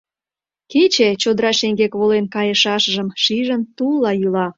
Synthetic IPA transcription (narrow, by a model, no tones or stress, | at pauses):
ket͡ɕet͡ɕod̪əɾɑʃeŋɡekβolenkɑjəʃɑʃəʒəmʃiʒənt̪ulːɑjylɑ